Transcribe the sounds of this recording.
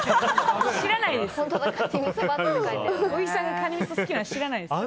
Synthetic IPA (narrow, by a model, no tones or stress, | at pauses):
ɕiɾanaid̪esõnt̪ | aeoisãŋɡakʰaɲʲimit̪osɨkʲinaɕiɾanaid̪e